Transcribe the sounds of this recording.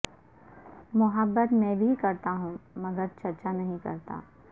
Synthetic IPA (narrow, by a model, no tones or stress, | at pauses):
mʊɦəbːət̪mɛ̃ːbʱikɐɾt̪aɦũmɐɡəɾt͡ʃɐɾt͡ʃanɐɦĩkɐ̰ɾt̪a̰ː